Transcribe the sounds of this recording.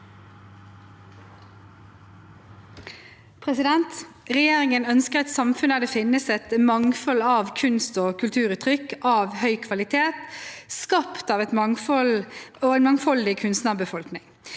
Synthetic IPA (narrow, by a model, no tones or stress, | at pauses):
pʰʁɛsɪd̪ɛnt̪ | ʁɛjeːʁɪŋənœnskəʁɛt̪sɑmfʉnæːʁd̪eːfɪnəsɛt̪mɑŋfɔlɑːʋkʰʉnst̪oːkʰʉlt̪ʰʉːʁʉːt̪ʰʁʏkːɑːʋhœʏkʰʋɑlɪt̪ʰeːt̪skɑpt̪ɑːʋɛt̪mɑŋfɔloːeːnmɑŋfɔld̪ɪkʰʉnst̪nɑʁbəfɔlknɪŋ